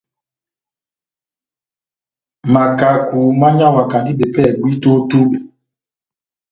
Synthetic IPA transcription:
ma˨ka˨ku˨ma˦ɲa˦˨wa˨ka˨ndi˦ɓe˨pɛ˦˨ɡi˦to˦tu˦ɓe˨

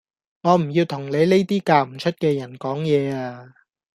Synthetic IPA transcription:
ŋɔː˨˧m̩˨˩jiː˧wt̪ʰʊ˨˩ŋle˨˧jle˥jt̪iː˥kaː˧m̩˨˩t͡ʃʰɵ˥t̚kɛː˧jɐ˨˩nkɔː˨˥ŋjɛː˨˧aː˧

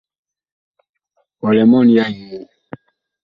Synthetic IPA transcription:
ɔ˨lɛ˨mɔ˦n˨ja˦ɲ˨u˨

